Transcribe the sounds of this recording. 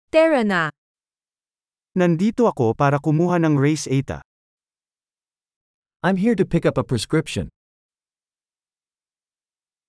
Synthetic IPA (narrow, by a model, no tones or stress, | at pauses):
t̪ɛɹɐna | nɐnd̪iːt̪oɐko̞paːɾɐkʊmuːɦɐnɐŋɹejsʔɛjt̪ɐ̰ | ʔãj̃mɦiɹtɨpʰɪkʌpəpʰɹ̥ɛskɹɪpʃɔ̰̃n